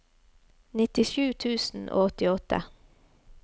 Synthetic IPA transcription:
nɪt̪ɪʃʉːt̪ʰʉːsn̩ʔo̰ːɔt̪ɪɔt̪ə̰

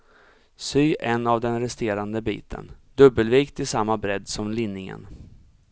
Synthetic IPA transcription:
syːʔɛnːavd̪ɛnɾɛst̪eːɾand̪əbḭːt̪ʰə̰nd̪ɵbːəlviːkt̪ʰɪsamːabɾɛd̪ːsɔmlɪnːɪŋə̰n

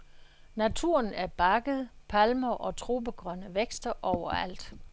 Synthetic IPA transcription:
næt͡sʰuɐnæɐb̥ɑ̈ɡ̥əð̩ˠpʰælmɐʔɒ̽t͡sʰʁo̝ːb̥əɡ̥ʁɶnəʋeɡ̥sd̥ɐʔɒʊ̰ɐæ̰l̰d̥

